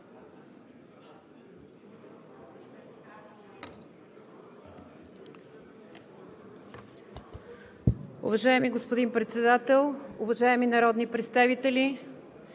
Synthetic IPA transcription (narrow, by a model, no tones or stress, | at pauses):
ṵvɐʒaɛmiɡospod̪inpɾɛt̪sɛd̪at̪ɛlˠʊvɐʒaɛminɐɾɔd̪nipɾɛt̪st̪avit̪ɛli